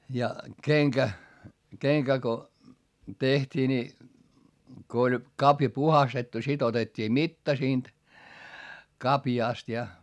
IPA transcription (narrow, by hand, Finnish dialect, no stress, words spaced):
jɑ keŋkæ keŋkæ ko tehtʲiː ni ko olʲ kɑpjɑ puhɑstetːu sit otetːiː mitːɑ siːnt kɑpjɑˑst jɑ